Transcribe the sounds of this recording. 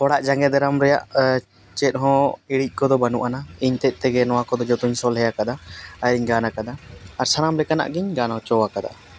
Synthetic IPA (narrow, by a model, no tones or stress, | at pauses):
hɔɽaʔd͡ʒaŋɡɛd̪ɛɾamɾɛja̰ʔ | t͡ʃɛt̪̚ˀɦɔ̃iɽic̚ˀkɔd̪ɔbanuʔanaiɲt̪ɛc̪̚ˀt̪ɛɡɛnɔwakɔd̪ɔd͡ʒɔt̪uɲsɔlɦɛjakad̪aaɾiɲɡanakad̪aːɾsanamlɛkana̰ʔɡiɲɡanaɦɔ̃t͡ʃɔwakad̪a̰